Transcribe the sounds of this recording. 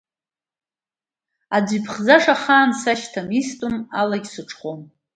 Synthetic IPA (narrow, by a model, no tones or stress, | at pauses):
ad͡zʷipʰχd͡zaʂaχaːmsaʃtʰamistʼuma̰laɡʲsɨʈ͡ʂʰʼχom